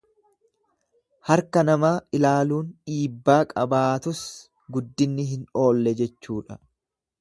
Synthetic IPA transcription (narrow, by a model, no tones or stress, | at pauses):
hɐɾkɐnɐmaːɪlaːluːnᶑiːbːaːkʼɐbaːt̪ʊs | ɡʊd̪ːɪnːɪɦɪno̞ːlːɛd͡ʒɛt͡ʃːuːᶑɐ